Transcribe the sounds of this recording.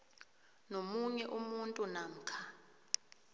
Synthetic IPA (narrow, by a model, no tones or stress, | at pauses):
nomuɲɛʔumuntʼunaŋ̩kʰa